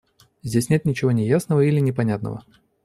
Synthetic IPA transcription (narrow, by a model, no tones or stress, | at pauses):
zʲdʲesʲnʲe̞t̪nʲɪt͡ɕɪvo̞nʲɪjasnəvəilʲɪnʲɪpɐnʲat̪nə̰və̰